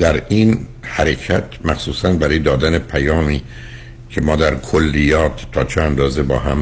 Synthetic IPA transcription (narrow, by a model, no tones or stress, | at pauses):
d̪̥æɾinhæɾecʰæt̪ʰmæxsuːsænbæɾɒːjed̪ɒːd̪æne̞pʰæjɒːmiː | cʰe̞mɒːd̪æɾkʰolːijɒːt̪ʰːɒːt͡ʃʰeænd̪ɒːze̞bɒ̰ːɦæm